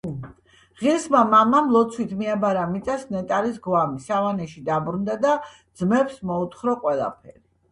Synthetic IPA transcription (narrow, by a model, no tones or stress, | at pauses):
ʁiɾsmamamamlˠɔt̪sʰwit̪ʰmiabaɾamit̪sʼasnɛt̪ʼaɾisɡwamisavanɛʃid̪abɾund̪ad̪ad̪zmɛpsmɔut̪ʰχɾɔqʼwɛlˠa̰pʰɛɾi